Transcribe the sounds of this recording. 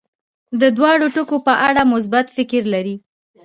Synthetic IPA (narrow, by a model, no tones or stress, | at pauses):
d̪əd̪wɑɽoʈʊkopəʔaɽamʊs̬bat̪fɪkɾlaɾi